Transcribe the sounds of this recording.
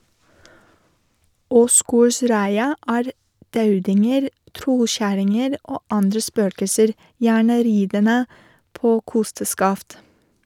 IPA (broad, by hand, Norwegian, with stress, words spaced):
ˈoːsɡoːɾˌsɾæɪɑ ˈæːɾ ˈdɑʉdɪŋəɾ ˈtɾɔˌçæɾɪŋəɾ ˈoː ˈɑndɾə ˈspøːkəsəɾ ˈjæːɳə ˈɾiːdənə ˈpoː ˈkʊstəskɑft